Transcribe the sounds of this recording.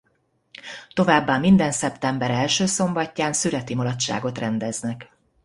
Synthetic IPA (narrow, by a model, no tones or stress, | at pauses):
t̪o̞vaːbːɒmːind̪ɛnsɛpt̪ɛmbɛɾɛlʃøːso̞mbɒcːaːnsyɾɛt̪imolɒt̪ʃa̰ːɡo̞t̪rɛnd̪ɛznɛk